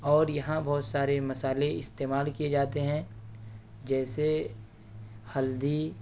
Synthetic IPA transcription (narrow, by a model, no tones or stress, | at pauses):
ɔːɾjɐɦãbɔːt̪saːɾemɐsaːleɪst̪eːmaːlkied͡ʒaːt̪eɦɛ̃ | d͡ʒɛːse | hɐld̪i